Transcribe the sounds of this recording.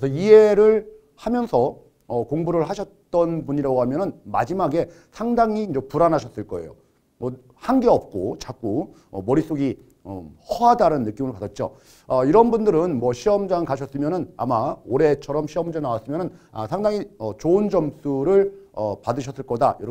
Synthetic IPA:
esʰʌie̞ɾɯɭ | hamjʌnsʰʌː | koŋbuɾɯɭɦaɕʰʌt̚t͈ʌnpuɲiɾaɡoɦamjʌnɯnmad͡ʑimaɡe̞ | sʰaŋdaŋind͡ʑepuɾanɦaɕʰʌs͈ɯɭk͈ʌe̞̰jo̰ | mʌ | hanɡe̞ʌp̚k͈ot͡ɕak͈o | ʌ̰mʌɾis͈oɡi | ʌ̰hʌɦadaɾɯnːɯk͈imɯɭpadat̚t͡ɕ͈o̰ | ʌiɾʌnbundɯɾɯnmwʌɕʰiʌmd͡ʑaŋkaɕ̬ʰʌs͈ɯmjʌnɯna̰maoɾe̞t͡ɕʰʌɾʌmɕʰiʌmd͡ʑenawas͈ɯmjʌnɯnasʰaŋdaŋiʌt͡ɕoɯnd͡ʑʌms͈uɾɯɭʌpadɯɕ̬ʰʌs͈ɯɭk͈ʌda̰jʌɾ

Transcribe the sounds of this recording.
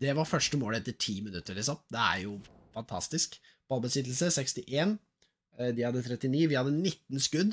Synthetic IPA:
d̪̥ɛʋɑɾfœʂʈəmoːlɛt̪ːəʈʰiːmɪnʉt̪ːəɾɭɪsɔmd̪ɛæ̰ɾjʊfɑnt̪ʰɑ̰st̪ɪsk | b̥ɑlˠbəsɪt̪ːl̩səsɛkst̪ɪʔeːn | d̪ɪhɑd̪ːət̪ʰɾɛt̪ːɪniːʋɪhɑd̪ːənɪt̪ːn̩skʉd̪

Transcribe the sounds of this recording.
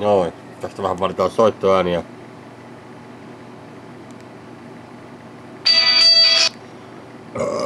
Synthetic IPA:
noi | t̪æst̪æʋæhæpɑlit̪ɑːssoit̪ːoæːniæ

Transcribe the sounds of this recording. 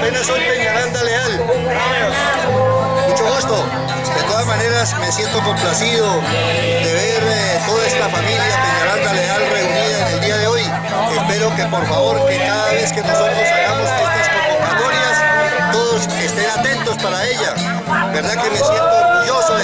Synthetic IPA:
penasojpe̞ɲaɾand̪ale̞al | omeno | mut͡ʃo̞ɣust̪o̞ | d̪e̞t̪o̞ðazmane̞ɾasme̞sje̞nt̪oko̞mplasiðo | d̪e̞βeɾ | t̪o̞ðaest̪afamiljape̞ɲaɾand̪ale̞alre̞uniðaene̞ld̪iaðe̞o̞j | espe̞ɾo̞ke̞po̞ɾfaβo̞ɾkekaðaβe̞ske̞no̞so̞t̪ɾo̞saɣamo̞skest̪askokoɾmaɣoɾjas | t̪o̞ðoskeːst̪e̞nat̪e̞nt̪o̞spaɾae̞ʝa | be̞ɾðake̞me̞sje̞nt̪ooɾɣuʝo̞so

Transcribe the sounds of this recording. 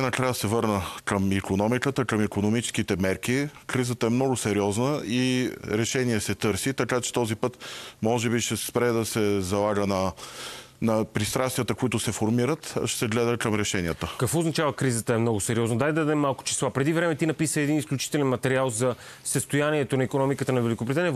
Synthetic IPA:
nɐkɾajəsɛvɤɾnəkəmikonɔmikət̪əkəmikonomit͡ʃɛ̥skit̪ɛmɛɾk̟ikɾizət̪əɛmnɔɡʊsɛɾiɔznəiɾɛʃɛniɛsɛt̪ɤɾsit̪ɐkat͡ʃɛ̥t̪ɔzipɤt̪mɔʒɛbiʃɛspɾɛd̪ɐsɛzɐlˠaɡənɐ | nɐpɾist̪ɾast̪vijət̪əkʊit̪ʊsɛfoɾmiɾət̪ʃɛ̥sɛɡlɛd̪əkɐmɾɛʃɛnijət̪əkəkvɔʊznɐt͡ʃavəkɾizət̪əɛmnɔɡʊsɛɾiɔznəd̪alʲd̪ad̪ɛmːalˠkʊ̥t͡ʃi̥slˠapɾɛd̪ivɾɛmɛt̪inɐpisəɛd̪inisklʲut͡ʃi̥t̪ɛlɛnmɐt̪ɛɾialˠzɐ | səst̪ʊjaniɛt̪onɐikonɔmikət̪ənɐvɛlʲikopɾit̪anijɛ

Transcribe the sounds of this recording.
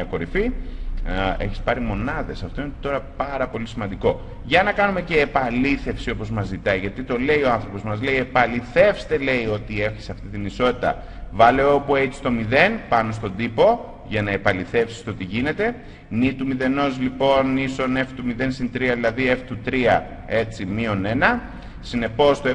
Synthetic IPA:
ɐko̞ɾifi | e̞̰çi̥spɐɾimo̞nɐðe̞sɐft̪o̞inet̪o̞ɾɐpɐɾɐpo̞lisimɐnd̪iko̞ | ʝɐnɐkɐnume̞ce̞ːpɐliθe̞fsiopo̞zmɐzit̪ɐiʝɐt̪it̪o̞le̞ioɐnθɾo̞po̞zmɐzleie̞pɐliθe̞fst̪e̞le̞io̞t̪ie̞fçisɐft̪it̪iniso̞t̪it̪ɐ̰ | vɐleoopue̞t̪i̥st̪o̞miðe̞npɐno̞st̪o̞nd̪ipo̞ | ʝɐnɐe̞pɐliθe̞fsi̥st̪o̞t̪iʝine̞t̪e̞ | nit̪umiðe̞no̞zlipo̞niso̞ne̞ft̪umiðe̞nsint̪ɾiɐðilɐðie̞ft̪ut̪ɾiɐ | e̞t͡simio̞ne̞nɐ | sine̞po̞st̪o

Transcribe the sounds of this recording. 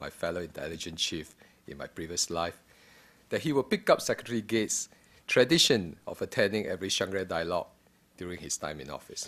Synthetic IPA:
maɪfɛloɪ̃ntʰɛ̰lid͡ʒə̃nt͡ʃʰif | ɪ̰̃nmaɪpɹiviəslaɪf | d̥ɛt̚hiwɪlpikap̚sɛkətəɹiɡets | tʰɹɛdiʃə̃nɔ̰fətʰɛ̃ndɪ̃ŋɛ̰vɹiʃãŋɡɹədaɪəlɔ̰ɡ̚ | d̥juɹɪ̃ŋhistʰã̰ɪ̃mĩnɔ̰fɪs

